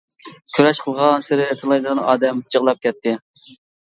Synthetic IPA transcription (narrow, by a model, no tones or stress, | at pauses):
kʲʰøɾɛʃqʰəlˠʁɑnsɪɾɪt̪ʰɨlˠɑjd̪ɨnɑ̰ːd̪ɛmt͡ʃʰəʁlˠɑp̚kʲʰɛt̪ʰːɪ